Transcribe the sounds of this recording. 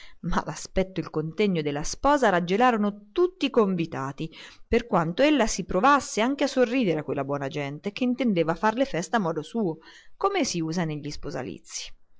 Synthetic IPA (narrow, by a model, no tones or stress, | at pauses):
ma̰laspɛt̪ːoilkont̪ɛɲːod̪elːaspɔːzaɾad͡ʒelaːɾonot̪ut̪ːikoɱvit̪aːt̪iperkwant̪oelːasipɾovasːeaŋkeasːorːiːd̪eɾeakwelːabwɔːnad͡ʒɛnt̪ek̟eint̪end̪eːvafarlefɛst̪amːɔːd̪osuːo | komesiuːzaneʎːispoza̰lḭt̪sːi̥